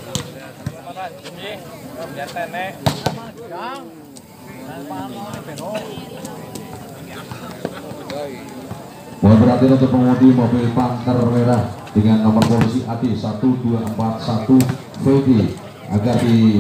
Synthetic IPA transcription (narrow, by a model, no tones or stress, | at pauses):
moɛbəɾat̪inunt̪ʊk̚pəmudimopepant̪ərweɾahd̥əŋanːɔmərpolisiʔad̥esat̪ud̥uaʔəmpat̪̚sat̪u | fede | ʔa̰ɡard̥i